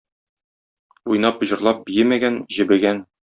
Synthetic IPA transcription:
ujnɑp̆ʑɤ̆ɾlˠɑp̚bijɘmæɡænʑɘ̆bɘ̆ɡæn

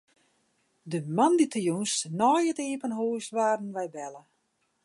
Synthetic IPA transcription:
dəmanditʰəjunsnɔːjəteːpənɦoːsʋaːrdn̩ʋɛjbɛlə

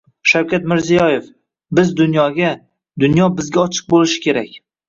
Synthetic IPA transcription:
ʃawkʲʰat̪mɪɾzijɒjef | bɪzd̪ʊnjɒɡʲa | d̪ʊnjɒbɪzɡʲaɒt͡ʃʰɨ̥q̚bolɪʃɪ̥kʲʰe̞ɾakʲ

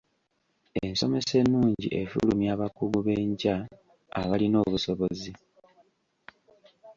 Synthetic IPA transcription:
ensome̞se̞nːuːɲɟḭʔefṵlumjaːβakuɡuβe̞ɲɟa̰ː | βalino̞ːβuso̞βo̞zi

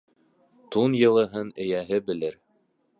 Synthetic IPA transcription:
t̪unjɤ̆lˠɤ̆ɦɤnɘ̆jæɦɘbɘ̆lɘɾ

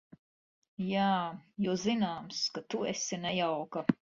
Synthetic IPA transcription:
jaːjɔzinaːmskat̪uɛsinɛjawkɐ

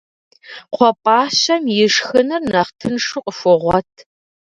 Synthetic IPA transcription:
qʷʰɔpʼaːɕɐmjɪʂxɨnɨrnɐχtʰɨnʂʊqʼəfʊʁʷɔtʰ

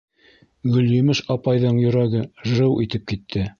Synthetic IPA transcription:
ɡɵ̆ljɵ̆mɘʃɑpɑjðɤɴjɵ̆ɾæɡɘʒɾɤwʔit̪ɘp̚kit̪ʰːɘ

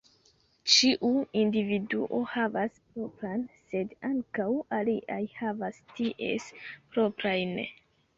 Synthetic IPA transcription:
t͡ʃiʔuindividuʔo̞havaspɾo̞pɾanse̞daŋkawaliʔajhavastiʔe̞̰spɾo̞pɾajn

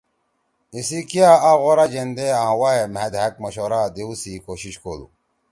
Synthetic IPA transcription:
isikjaaɣoɾad͡ʑend̪eãːwaemed̪ɦɐk̚mɐɕoɾad̪eusikoɕiɕkoːlṵ

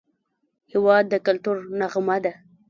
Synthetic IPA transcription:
hɪwɑd̪̚ːəkalt̪uɾnaɣmad̪a

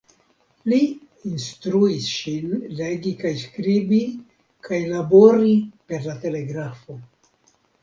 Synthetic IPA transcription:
li | instɾuisʃinle̞ɡikajskɾibi | kʰajlabo̞ɾipe̞ɾlate̞le̞ɡɾafo̞

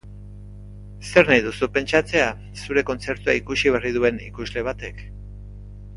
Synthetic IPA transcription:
se̞ɾnajðusupe̞nt͡ʃat͡se̞a | suɾe̞ko̞nt͡se̞ɾt̪uaikusiβerið̞ue̞nḭkuzle̞β̞at̪e̞k

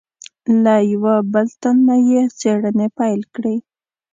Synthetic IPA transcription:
lajawabəlt̪anːajet͡seɽənepajlkɽi

